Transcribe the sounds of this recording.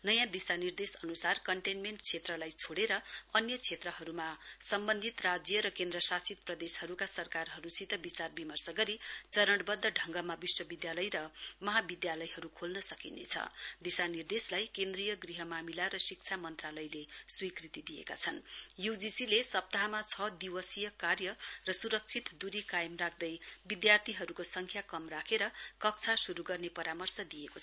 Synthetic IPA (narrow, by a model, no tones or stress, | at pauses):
nʌjãd̪isanird̪esʌnusarkʌɳʈenmeɳʈt͡sʰet̪rʌlajt͡sʰoɽeɾʌʌnjʌt͡sʰet̪rʌɦʌɾumasʌmbʌnd̪ʱit̪rad͡zjʌɾʌkend̪rʌsasit̪̚prʌd̪eshʌɾukasʌrkarɦʌɾusit̪ʌbit͡sarbimʌrsʌɡʌɾit͡sʌɾʌɽbʌd̪ːʌɖʱʌŋɡʌmabiswʌbid̪jalʌjɾʌmʌɦabid̪jalʌjɦʌɾukʰolnʌsʌkinḛt͡sʰʌ̰d̪isanird̪eslajkend̪rijʌɡriɦʌmamilaɾʌsik̚t͡sʰamʌnt̪ralʌjleswikrit̪id̪ijḛka̰t͡sʰʌnjud͡zisilesʌp̚t̪aɦamat͡sʰʌd̪iwʌsijʌkarjʌrʌsuɾʌk̚t͡sʰit̪d̪uɾikajmrak̚ʰd̪ʌjbid̪jart̪ʰiɦʌɾukosʌŋkʰjakʌmrakʰeɾʌkʌk̚t͡sʰasuɾuɡʌrnepʌɾamʌrsʌd̪ijeko